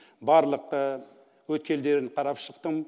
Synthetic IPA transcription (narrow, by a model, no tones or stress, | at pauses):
bɑɾlˠəqə | wɵt̪̚kʲe̞ld̪e̞ɾɪnqʰɑɾɑpʃəqt̪əm